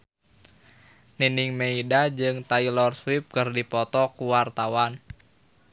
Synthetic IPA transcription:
niniŋmeidad͡ʒɨŋt̪ailɔrswip̚kɨrdipɔt̪ɔkuwart̪awan

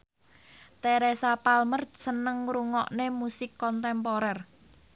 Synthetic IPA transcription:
t̪ɛɾɛsapalmərsənəŋɾuŋɔʔnemusɪkːɔnt̪ɛmpɔɾɛr

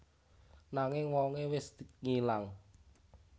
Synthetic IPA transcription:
naŋɪŋwɔŋewɪsd̪̥iŋilaŋ

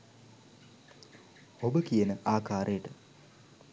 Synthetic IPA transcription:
hobəkijənəʔaːkaːɾʔejəʈə

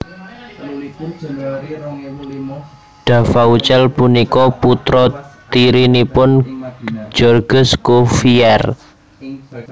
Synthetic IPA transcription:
ɖ̪̥ä̤faut͡ʃɛlpunikɔput̪ɾɔt̪iɾinipʊn | d͡ʒ̥ɔrɡ̥ʊ̤skofiɛr

